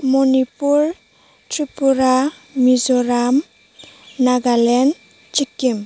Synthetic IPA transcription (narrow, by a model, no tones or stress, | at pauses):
mɔnipuɾ | tɾipuɾa | mizɔɾamː | aɡalɛn | t͡ʃikːim